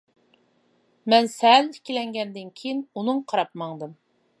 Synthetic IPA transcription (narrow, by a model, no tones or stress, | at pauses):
mɛnsɛlikʲilɛŋɡʲɛnd̪ɪnkʲʰijinunɨŋqʰɑɾɑp̚mɑŋd̪ɨm